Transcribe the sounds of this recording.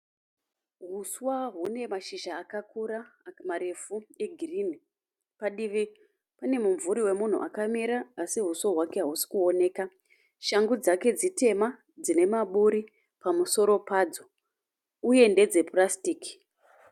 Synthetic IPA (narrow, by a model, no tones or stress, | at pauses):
ɦuswaɦune̞maʃiʒaːkakuɾamaɾe̞fue̞ɡʱirini | paɗiʋi | pane̞muɱvuɾiwe̞mun̤ṵʔakamiɾaːsiɦuswaɦwake̞ɦaɦusi̥kuo̞ne̞ːka | ʃaŋɡud͡zake̞d͡zite̞ma | d͡zine̞maɓuɾi | pamuso̞ɾo̞paːd͡zo | uje̞nde̞d͡ze̞prastiːki̥